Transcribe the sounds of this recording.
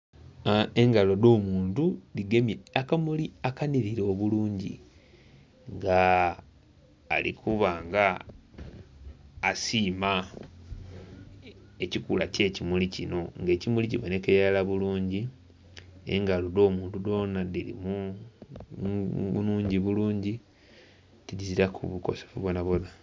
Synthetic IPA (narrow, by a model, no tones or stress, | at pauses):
eŋɡalo̞do̞ːmuːntuliɡemakamuliakaniɾiɾeoβuluːɲɟḭ | ŋɡa | lḭkʰuβaːŋɡa | siːma | e̞cikula̰ce̞ːcimulicino̞ŋɡe̞ːcimuliciβo̞ne̞kealaβuluːɲɟi | ḛŋɡaludo̞ːmuːndudo̞nadiɾḭmu | nuːɲɟiβuluːɲɟi | tiɟiziɾakʰuβuko̞̰sefuβonaβo̞na